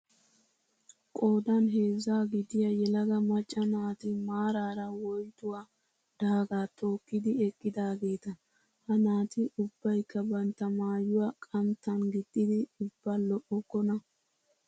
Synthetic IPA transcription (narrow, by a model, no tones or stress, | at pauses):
kʼo̞ːd̪ɐnɦe̞ːzːaːɡɪd̪ɪjɐjɛlɐɡɐmɐt͡ʃʼːɐnaːt̪ɪmaːɾaːɾɐwɔjt̪ʊwa | d̪̥aːɡaːt̪ʰo̞ːkːɪd̪ɪɛkʼːɪd̪aːɡe̞ːt̪ɐ | hɐnaːt̪ɪʔʊbːɐjkːɐbɐnt̪ːɐmaːjʊwakʼɐnt̪ːɐnɡɪt̪ʼːɪd̪ɪʊb̥ːalɔʔɔkːɔnɐ